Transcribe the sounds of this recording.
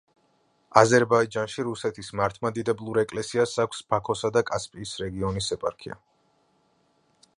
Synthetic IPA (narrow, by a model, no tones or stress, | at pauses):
azɛɾbaid͡ʒanʃiɾusɛt̪ʰismaɾt̪ʰmad̪id̪ɛblˠuɾɛkʼlɛsiasakʷʰsb̥akʰɔsad̪akʼaspʼiːsɾɛɡiɔnisɛpʼa̰ɾkʰḭa̰